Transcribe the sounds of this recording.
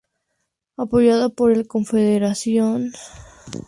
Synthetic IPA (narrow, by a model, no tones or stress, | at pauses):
apo̞ʝaðopo̞ɾelko̞ɱfeðeɾasjon